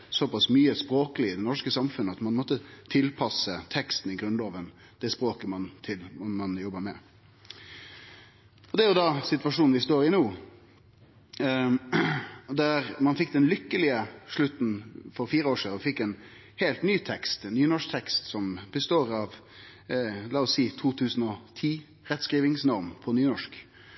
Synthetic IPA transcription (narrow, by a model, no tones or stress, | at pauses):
sɔpɑsmyːəspɾoːkəlɪɪd̪ɛnɔʂkəsɑmfʉnːəɑt̪mɑnmɔt̪ːət̪ʰɪlpʰɑsət̪ʰɛkst̪n̩ɪɡɾʉnlɑːʋən | d̪̥ɛspɾoːkəmɑnt̪ʰɪlɔmɑnjɔbːəmɛ | ɔd̪ɛæɾjʊd̪ɑsɪt̪ʋɑʂuːnn̩ʋɪst̪oːɾɪnuː | d̪æɾmɑnfɪk̚ːd̪ɛnlʏkːəlɪəʂɭʉt̪n̩fɔɾfiːɾəoːʂiːd̪əɔfɪkːɛn | heːlt̪nyːt̪ʰɛkst̪ɛnːyːnɔʂk̚t̪ʰɛkst̪sɔmbəst̪oːɾɑʋ | lɑːɔsiːt̪ʰuːt̪ʰʉːsn̩ɔt̪ʰiː | ɾɛt̪skʁiːʋɪŋsnɔɾmpʰɔnyːnɔʂk